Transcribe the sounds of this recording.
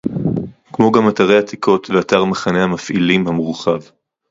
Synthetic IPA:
kmo̞ɡamat̪aʁejhat̪ikʰo̞t̪veataʁmeχane̞hamafʔḭlimhamʁuχav

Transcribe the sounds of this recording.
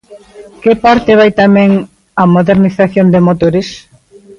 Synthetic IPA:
kɪpaɾt̪ɪβajt̪amɛ̃ŋ | ɐmoðeɾniθaθjond̪emot̪oɾes

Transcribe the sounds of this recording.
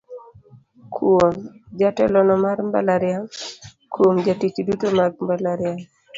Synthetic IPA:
kʰomd͡ʒatɛlɔnɔmaɾmba̰laɾɪjaŋ | kʰwomd͡ʒatit͡ʃdutomaɡ̚mbalaɾɪaŋ

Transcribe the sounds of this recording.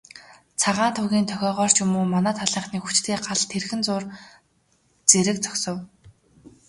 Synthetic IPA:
t͡sʰaʁaːnt̪ʰʊɣʲiːnt̪ʰœxʲɔːʁœːr̥t͡ɕɵmuːmanaːt̪ʰaɮ̥iːɴχniːxu̥t͡ɕt̪ʰeːɢaɮt̪ʰerxɘ̆nt͡sʊːr | t͡seɾɘ̆k̚t͡sɔ̥ksɞ̆w

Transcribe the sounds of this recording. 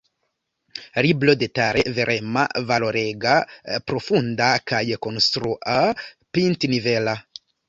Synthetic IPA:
ɾiblodetaɾʔeveɾʔema̰valo̞ɾeɡapɾo̞fundakajko̞nst̪ɾuʔa | pintnivela

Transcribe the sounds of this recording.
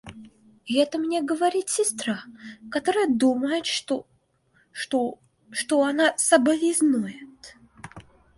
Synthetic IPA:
ɪɛt̪əmnʲeɡəvɐɾʲit̪sʲɪst̪ɾakɐt̪oɾəjəd̪uməjɪt̪ | t̪o | ʂt̪oɐnasɐbəlʲɪznujɪt̪

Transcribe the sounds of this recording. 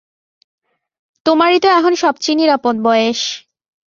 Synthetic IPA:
t̪omaɾit̪eɛkʰonʃɔbt͡ɕiniɾapot̪̚bɔeeʃ

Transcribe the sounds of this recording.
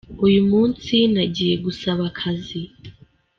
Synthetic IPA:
ujumuːnsinaɟiːje̞ɡusaβakʰazi

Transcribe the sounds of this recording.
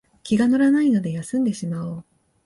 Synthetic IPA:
kʲiɡano̞ɾanaino̞d̪e̞jasɨ̃nd̪e̞ɕimao

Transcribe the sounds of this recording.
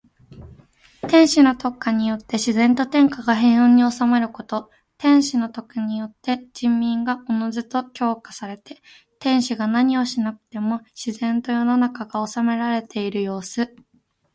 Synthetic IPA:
t̪ẽ̞ɰ̃ɕino̞t̪o̞kːaɲ̟ijo̞t̪ːe̞ɕizẽ̞nt̪o̞t̪ẽ̞ŋkaɡaɦẽ̞ɰ̃õɲ̟ːio̞same̞ɾɯ̟ko̞t̪o̞ | t̪ẽ̞ɰ̃ɕino̞t̪o̞kɯ̟ɲ̟ijo̞t̪ːe̞d͡ʑĩmːʲĩŋɡaʔo̞no̞zɨt̪o̞kʲo̞ːkḁsaɾe̞t̪e̞ | t̪ẽ̞ɰ̃ɕiɡanaɲ̟io̞ɕinakɯ̟̥t̪e̞mo̞ɕizẽ̞nt̪o̞jo̞no̞nakaɡao̞same̞ɾaɾe̞t̪ʰe̞iɾɯ̟jo̞ːsɨ

